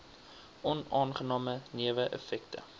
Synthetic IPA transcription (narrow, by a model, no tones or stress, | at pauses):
ʔɔnɑːnχənɑːməniəvəʔə̰fɛktə̰